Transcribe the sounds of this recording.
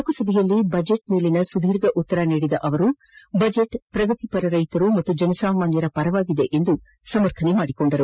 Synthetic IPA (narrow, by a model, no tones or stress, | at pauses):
kːusɐbʱɛjɐlːibɐd͡ʒeʈ̚meːlinɐsud̪ʱiːɾɡɐʔut̪ːɐɾɐniːɽid̪ɐʔɐʋɐɾu | bɐd͡ʒeʈpɾɐɡɐt̪ipɐɾɐɾɐjt̪ɐɾumɐt̪ːud͡ʒɐnɐsaːmaːnjɐɾɐpɐɾɐʋaːɡid̪e̞ʔend̪u | sɐmɐɾt̪ʰɐnemaːɽikoɳɖɐɾu